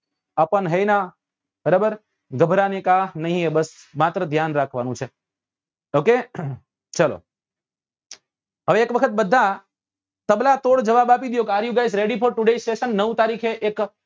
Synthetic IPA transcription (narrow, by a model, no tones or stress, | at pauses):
apəɳɦejna | bəɾabəɾ | ɡəbʱɾanekanəɦĩebəsmat̪ɾəd̪ʱjanɾakʰʋanũt͡ʃʰe | oke | t͡ʃəlo̰ | ɦəʋeːkʋəkʰət̪̚bəd̪ʱːa | t̪əblat̪oɽd͡ʒəʋabapid̪jokeaɾjuɡajsɾeɖipʰoɾʈuɖeisʈeʃənːəʋwt̪aɾikʰeʔek